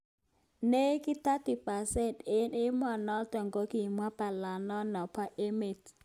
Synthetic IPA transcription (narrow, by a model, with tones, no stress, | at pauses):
ne˦kɪ˦t̪a˦ti˨pa˨sɛ˦˨nte˦nɪ˦mɔ˨nɔ˦tɔ˨ŋɡo˦ki˨mwa˦pa˨la˨nɔ˦nɔ˨pa˦ʔe˦me˨t